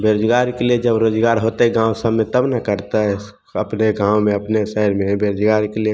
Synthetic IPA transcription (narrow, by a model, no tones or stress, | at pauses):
beɾod͡ʒɡaɾikelied͡ʒəbɾoːd͡ʒɡaːɾɦot̪eɡãːwsəmːet̪əbnakəɾt̪a | əpneɡãːwmẽəpnesɛɦəɾmẽbeɾod͡ʒɡaɾikelie